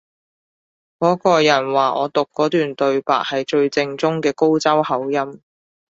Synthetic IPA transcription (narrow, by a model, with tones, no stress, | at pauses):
kɔː˨˥kɔː˧jɐ˨˩nwaː˨ʔɔː˨˧t̪ʊ˨kːɔː˨˥t̪yː˨nt̪ɵ˨˧ɥpa̰ː˨k̚hɐ˨jt͡ʃɵ˧ɥt͡sɪ˧ŋt͡sʊ˥ŋkɛː˧ko˥wt͡sɐ˥whɐ˨˥wjɐ˥m